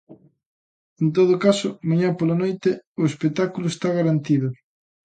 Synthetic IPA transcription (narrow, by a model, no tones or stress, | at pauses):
ent̪oð̞ʊkasʊmaɲapolanojt̪eʊespek̚t̪akulʊest̪aɣaɾant̪iðʊ